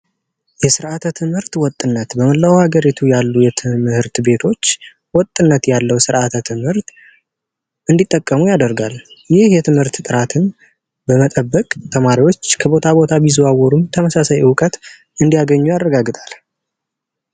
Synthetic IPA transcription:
jɛsɨɾʔat̪ʰət̪ʰɨmhɨɾt̪wɔt̪ʼːɨnːət̪bəməlːawhaɡəɾit̪ʰujalːujɛt̪ʰɨmhɨɾt̪be̞t̪ʰo̞t͡ʃː | wɔt̪ʼːɨnːət̪jalːəwsɨɾʔat̪ʰət̪ʰɨmhɨɾt̪ | ʔɨnd̪it̪ʼːəkʼːəmujad̪əɾɡaljɪhjɛt̪ʰɨmhɨɾt̪t̪ʼɨɾat̪ʰɨn | bəmət̪ʼəbːəkʼt̪ʰəmaɾiwo̞t͡ʃːkʰəbo̞t̪ʰabo̞t̪ʰabizuawɔɾumt̪ʰəməsasajwkʼət̪ | ɨnd̪ijaɡəɲːujarːəɡaɡɨt̪ʼal

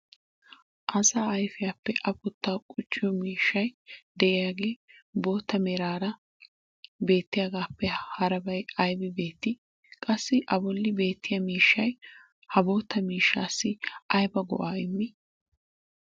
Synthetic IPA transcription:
ʔɐsaːɐjfɪjaːpːɛʔɐpʊt̪ːaːkʼʊt͡ʃʼːɪjɔmiːʃːɐjd̪ɛʔɪjaːɡe̞ːbo̞ːt̪ːɐmɛɾaːɾɐ | be̞ːt̪ːɪjaːɡaːpːɛhɐɾɐbɐjɐjbɪbe̞ːt̪ːɪ | kʼɐsːɪʔɐbɔlːɪbe̞ːt̪ːɪjɐmiːʃːɐj | hɐbo̞ːt̪ʰːɐmiːʃːaːsːɪɐjbɐɡɔ̰ʔaːɪmːɪ

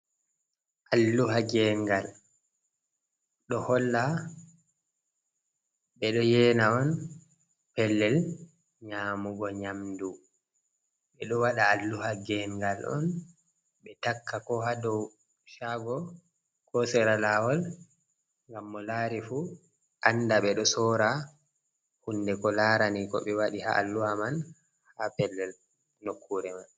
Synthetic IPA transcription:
ʔalːuɦaɡɛŋɡal | ɗɔhɔlːa | ɓɛɗɔjɛːnawɔn | pɛlːɛl | ɲaːmuɡɔɲamdu | ɓɛɗɔwaɗaːlːuhaɡɛŋɡalʔɔ̰n | ɓɛtakːakɔɦadɔw | ʃaɡɔ | kɔsɛɾalaːwɔl | ŋɡamːɔlaːɾifu | ʔandaɓɛɗɔsɔɾa | hundɛkɔlaɾanikɔ̰ɓɛwaɗiha̰alːuhaman | hapɛlːɛl | nokʰːuɾɛman

